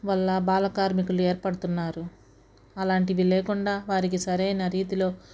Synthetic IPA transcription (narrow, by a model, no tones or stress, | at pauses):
ʋɐlːɐbaːlɐkaːɾmikulue̞ːɾpɐɽut̪unːaːɾu | ɐlaːɳʈiʋiːleːkuɳɖaːʋaːɾikisɐɾɐjnɐɾiːt̪ilo̞ː